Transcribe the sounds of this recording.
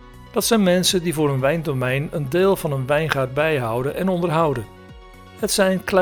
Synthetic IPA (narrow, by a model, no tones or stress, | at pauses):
d̥ɑtsɛjnmɛnsədivʊːɾənʋɛjndomɛjnəndɪːlˠvɑnənʋɛjnχaːd̚bɛjɦʌwdənʔɛnɔndərɹɦʌwdən | hətsɛjnkl